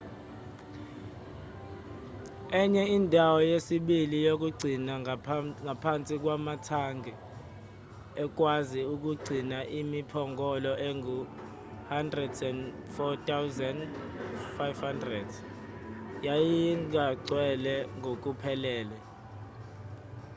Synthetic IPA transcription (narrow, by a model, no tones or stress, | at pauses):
ɛɲɛindʱawɔjesiɓilijok̬ʼuɡ͡ǀʱinaŋʱapʰant͡sʼik̬wamatʰaŋɡʱɛ | ɛk̬waziuk̬uɡ͡ǀʱinaʔimipʰɔŋɡʱɔlɔʔɛŋu | handrɛdsɛn | fɔtʰʼawzɛnd | fajvhandrɛd | jajiŋʱaǀwɛlɛŋʱok̬ʼupʰɛlɛːlɛ